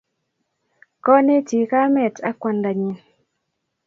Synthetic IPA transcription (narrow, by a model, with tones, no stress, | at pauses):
kɔ˦ne˦ti˨ka˦mɛ˨ta˦kwa˨nda˨ɲi˨n